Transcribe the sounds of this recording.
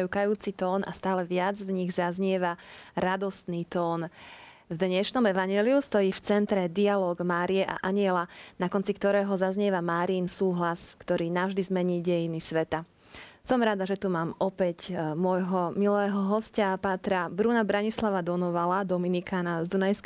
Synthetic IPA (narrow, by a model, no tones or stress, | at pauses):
jukajuːt͡sit̪ɔːna̰st̪aːlɛʋɪad͡zvɲiɣzazɲɪɛʋaɾad̪ɔst̪niːt̪ɔːn | vd̪ɲɛʃnɔmɛʋaɲɛːliust̪ɔjiːft͡sɛnt̪ɾɛd̪ialɔːɡmaːɾijɛʔa̰ʔaɲɪɛlanakɔnt͡sikt̪ɔɾɛːɦɔzazɲɪɛʋamaːɾiːnsuːɦlaskt̪ɔɾiːnavʒd̪izmɛɲiːɟɛjinisʋɛt̪a | sɔmɾad̪aʒɛt̪umaːmɔpɛcmʊɔjɦɔmilɛːɦɔɦɔscapaːt̪ɾabɾunabɾaɲislaʋad̪ɔnɔʋalad̪ɔminikʰaːnazd̪unajsk